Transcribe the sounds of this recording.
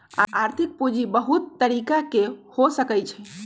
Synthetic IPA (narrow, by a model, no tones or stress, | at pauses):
a̰aɾt̪ʰik̚pud͡ʒibəɦut̪ːəɾikakehosəkəjt͡ʃʰɛ